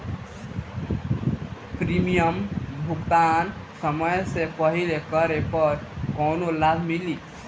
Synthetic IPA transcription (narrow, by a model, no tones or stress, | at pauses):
pɾimijəmbʱuɡd̪ansəməjsepʌɦilekʌɾepʌɾkonolabʱmili